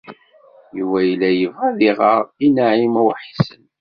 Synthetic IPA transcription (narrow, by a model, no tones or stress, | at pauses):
juvæjəlːæjəvʁæðiʁəɾinaʕimæwħisən